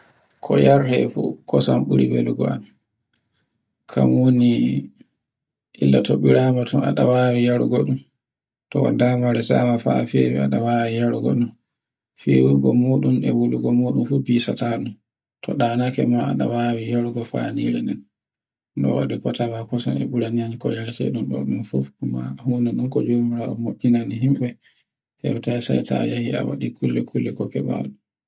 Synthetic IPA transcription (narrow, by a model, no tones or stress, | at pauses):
kʰɔjaɾdɛfṵkɔsamɓuɾibeluɡɔa̰n | kʰamwoni | ʔilːatoɓiɾamatɔna̰ɗawawijaɾuɡɔɗum | tɔwa̰damaɾɛsamafa̰fɛbɛaɗawaːwijaɾɡɔ̰ɗum | fiwuɡɔmuɗumɛwuluɡɔmoːɗumfubiːsataɗum | tʰɔɗanakɛmaaɗawawijaɾɡɔfa̰nḭɾɛnɛn | ɗɔ̰wa̰ɗikɔtawakɔsɔ̰nɛɓuɾaɲaɲkɔjaɾtɛ̰ɗumɗɔ̰ɗunfufumahuːnɛɗumkɔd͡ʒomiɾaɔmoɓinaniɦimɓɛ | hɛ̰wtajsa̰jtʰa̰jahia̰wa̰ɗikulːɛkʰulːɛkɔkɛɓa̰ɗu